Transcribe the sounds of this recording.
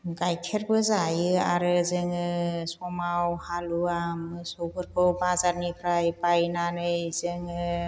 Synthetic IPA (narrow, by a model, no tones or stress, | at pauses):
ɡajkʰeɾbɯzajɯaɾɯzeŋɯsɔmawhaluamsowpʰɯɾkʰɯwbazaɾnipʰɾajpajnanɯjzeŋ